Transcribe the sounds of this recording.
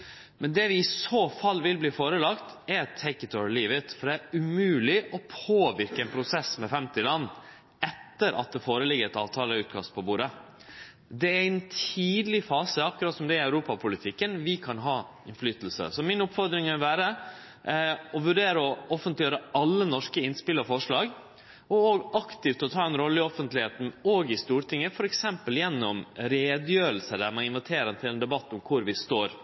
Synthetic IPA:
mɛnd̪ɛʋɪɪsoːfɑlːʋɪlbliːfoːɾəlɑkt̪ɛɾt̪ʰɛɪkət̪ʰɔɹliːʋɪt̪fɔɖ̪ɛæɾʉmʉːlɪʔɔpʰoːʋɪɾkəɛnpʰɾʊsɛsmɛfɛmt̪ɪlɑnː | ɛt̪ːəɾʔɑ̰t̪̚d̪ɛfoːɾəlɪɡəɾɛt̪ɑ̰ːʋt̪ʰɑːləʉːt̪kʰɑst̪̚pʰɔbuːɾə | d̪ɛæɾɛnt̪ʰiːd̪əlɪfɑːsəɑkːʉɾɑt̪sɔmd̪ɛæɾæʉɾuːpɑpʰʊlɪt̪ʰɪkːənʋɪkʰɑnɦɑː | ɪnflyːt̪əl̩sə̰sɔmɪnʊpfɔɾd̪ɾɪŋɪlʋæːɾə | ɔʋʉɖeːɾəɔɔfənt̪lɪjøːɾəɑlːənɔʂkəɪnspɪlːəɾfɔʂɭɑːɡ | ɔoːɡɑkt̪ɪft̪ʰɔt̪ʰɑːɛnɾɔlːəɪɔfənt̪lɪheːt̪n̩oːɡɪst̪uːɾʈɪŋːəfɔɾɛksɛmpəljɛnːɔmɾeːd̪jøːɾəlsəd̪æɾmɑnɪnʋɪt̪ʰeːɾɛnt̪ʰɪlɛnd̪ɛbɑt̪ːʊmkʰʊɾʋɪst̪oːɾ

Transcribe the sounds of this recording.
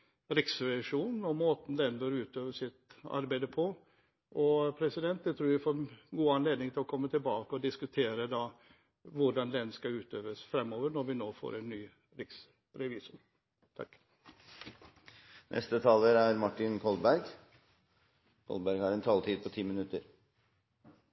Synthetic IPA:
ɾɪksɾɛʋɪʂuːnn̩ɔmoːt̪n̩d̪ɛnbœɾʉːt̪øːʋəʂɪt̪ɑ̰ɾbæɪd̪əpʰɔ | ʔɔpʰɾɛsɪd̪ɛnt̪̚d̪ɛt̪ʰɾʉːɾʋɪfoːɾnɡuːɑnleːd̪nɪŋt̪ʰɪlɔkʰɔmːət̪ʰɪlbɑːkəɔd̪ɪskʉt̪ʰeːɾəd̪ɑ | ʋʊɖɑnd̪ɛnskɑʉːt̪øːʋəsfɾɛmːoːʋəɾɳɔɾʋɪnoːfo̰ːɾɛnːyː | ɾɪks | ɾɛʋiːsʊm | t̪ʰɑ̰kː | nʔɛ̰st̪ət̪ʰɑːləɾæɾmɑʈːɪnkʰɔlbæɾɡ | kʰɔ̰lbæɾɡhɑɾɛnt̪ʰɑːlt̪ʰiːd̪̚pʰɔt̪ʰiːmɪnʉt̪əɾ

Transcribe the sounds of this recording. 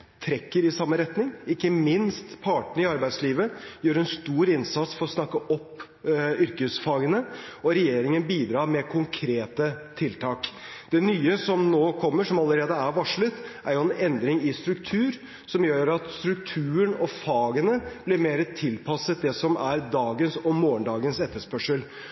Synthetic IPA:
t̪ʰɾɛkːəɾɪsɑmːəɾɛt̪nɪŋɪkːəmɪnst̪pʰɑːʈɳɪɑɾbæɪd̪sliːʋəjøːɾɛnst̪uːɾɪnsɑt̪sfɔɾɔsnɑkːəʔɔpː | ʏɾkəsfɑːɡənəɔɾɛjeːɾɪŋənbiːd̪ɾɑːɾmɛkʰʊŋkʰɾeːt̪ət̪ʰɪlt̪ʰɑːkd̪̥ɛnyːəsɔmnoːkʰɔmːəʂɔmɑlːəɾeːd̪əæɾʋɑʂɭət̪ʔæɾjʊɛnɛnd̪ɾɪŋɪst̪ɾʉkt̪ʰʉːɾ | sɔmjøːɾɑt̪st̪ɾʉkt̪ʰʉːəɳɔfɑːɡənəb̥lɪɾmeːɾət̪ʰɪlpʰɑsət̪̚d̪ɛsɔmæɾd̪ɑːɡənsɔmoːəɳɖ̪ɑːɡənsɛt̪ːəʂpœʂəl

